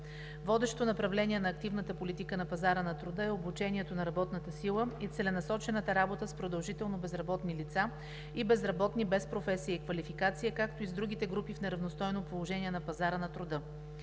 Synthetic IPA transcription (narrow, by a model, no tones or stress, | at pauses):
vɔd̪ɛʃt̪onɐpɾɐvlɛniɛnɐːkt̪ivnət̪əpolit̪ikənɐpɐzaɾənɐt̪ɾʊd̪ɤɛobut͡ʃɛniɛt̪onɐɾɐbɔt̪nət̪əsilˠəit̪sɛlɛnɐsɔt͡ʃɛnət̪əɾabot̪əspɾod̪ɐlˠʒit̪ɛlˠnobɛzɾɐbɔt̪nilit̪sa | ibɛzɾɐbɔt̪nibɛspɾofɛsiəikvɐlifikat̪sijəkakt̪oizd̪ɾuɡ̟it̪ɛɡɾupifnɛɾɐvnost̪ɔjnopolˠoʒɛniɛnɐpɐzaɾənɐt̪ɾʊd̪ɤ